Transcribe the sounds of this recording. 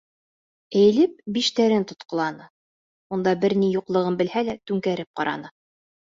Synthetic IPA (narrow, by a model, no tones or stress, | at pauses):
ɘ̆j̆lɘp̚biʃt̪æɾɘnt̪ŏt̪qɤ̆lˠɑnɤ | und̪ɑbɘɾnijuqlˠɤ̆ʁɤnbɘ̆lhælæt̪ʉŋkæɾɘp̚qɑɾʔɑ̰nɤ